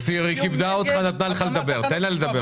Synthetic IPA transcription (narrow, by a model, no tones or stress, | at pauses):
siʁikibd̪aot̪χanat̪naleχaled̪abe̞ʁt̪enlaled̪abe